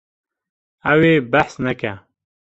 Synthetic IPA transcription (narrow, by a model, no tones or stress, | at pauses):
æweːbæħsnɛkɛ